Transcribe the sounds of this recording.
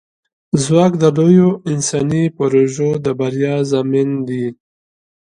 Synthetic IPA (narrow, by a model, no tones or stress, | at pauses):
zwɑːkd̪əlojoɪnsɑnipoɾoʒod̪əbaɾjɑːzamind̪i